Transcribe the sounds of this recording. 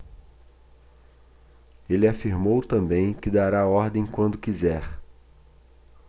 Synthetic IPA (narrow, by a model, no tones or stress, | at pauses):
elɪafiɾmowt̪ɐ̃mbẽj̃kɪd̪aɾaɔɾd̪ẽj̃kwɐ̃nd̪ʊkizɛɾ